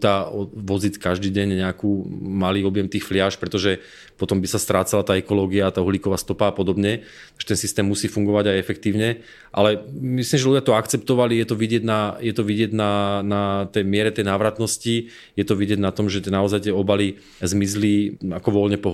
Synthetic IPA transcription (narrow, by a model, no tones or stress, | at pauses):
t̪aːʋɔzit̪kaʒd̪iːɟɛɲɲɛakuːmaliːɔbɪjɛmt̪iːxflɪaʃpɾɛt̪ɔʒɛ | pɔt̪ɔmbisast̪ɾaːt͡salat̪aːɛkɔlɔːɡiaːt̪aːuɦliːkɔʋaːst̪ɔpaːpɔd̪ɔbɲɛ | tt̪aɡʒ̥ɛt̪ɛnsist̪ɛːmːusiːfuŋɡɔʋaɟajɛfɛkt̪iːʊɲɛ | ʔa̰lɛmisliːmʒɛluɟɪat̪ɔakt͡sɛp̚t̪ɔʋalijɛt̪ɔʋiɟɪɛɟnajɛt̪ɔʋiɟɪɛɟnanat̪ɛjmɪɛɾɛt̪ɛjnaːʋɾat̪nɔsci | jɛt̪ɔʋiɟɪɛɟnat̪ɔmʒɛt̪ɪɛnaɔzajt̪ɪɛɔbali | zmizliakɔʋɔlɲɛpɔɦ